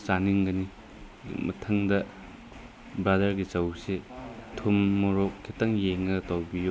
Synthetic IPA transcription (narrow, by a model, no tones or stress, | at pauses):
saniŋɡɐni | mɐtʰɐŋdɐ | bɾadɐɾɡit͡ʃɐwsetʰumːoɾokʰːitɐŋjeŋɐtɐwbijo